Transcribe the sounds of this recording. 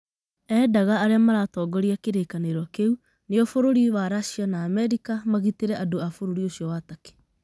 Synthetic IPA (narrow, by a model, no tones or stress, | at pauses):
ɛːdaɣaːɾeamaɾatɔːɡɔɾiakeɾekaneɾwakeu | neɔfoɾoɾiwaɾaʃianaːmɛɾikamaɣiteɾɛʔadoafoɾoɾioɕiɔwatake̥